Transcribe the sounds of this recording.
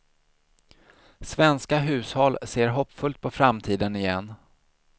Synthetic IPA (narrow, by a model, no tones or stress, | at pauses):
svɛnskaɦʉ̟ːshɔlseːɾɦɔpːfɵlt̪̚pʰɔfɾamt̪ʰiːd̪ənɪjɛnː